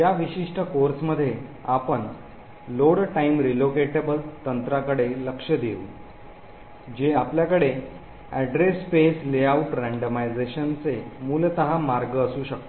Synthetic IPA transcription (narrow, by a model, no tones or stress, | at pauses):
jaʋiɕiʂʈʰəkoɾsməd̪ʱːjeapəɳ | loɽʈaimɾilokeʈebəlt̪ənt̪ɾakəɽeləkʂəd̪eṵ | d͡ʑeapljakəɽe | æɖɾespesleauʈɾæɳɖəmajd͡zeɕənt͡semuːlt̪əɦamaɾɡəːsuːɕək̚t̪o